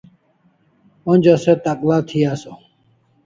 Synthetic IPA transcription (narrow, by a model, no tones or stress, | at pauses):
õnʲd͡ʑoset̪aklat̪ʰiaːso